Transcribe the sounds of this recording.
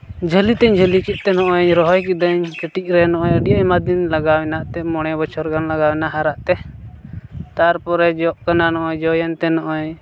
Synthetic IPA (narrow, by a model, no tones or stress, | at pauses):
d͡ʒʱəlit̪ɛɲd͡ʒʱəlikit̪̚ˀt̪ɛnɔʔɔɲɾɔɦɔjkid̪əɲkəʈic̚ˀɾɛnɔʔɔɲəɖijɔɲmad̪inlaɡawɛnaʔt̪ɛmɔɽ̃ɛbɔt͡ʃʰɔɾɡanlaɡawɛnaʔɦaɾaʔt̪ɛ | t̪aɾpɔɾɛd͡ʒɔʔkananɔʔɔɲd͡ʒɔjant̪ɛnɔʔɔɲ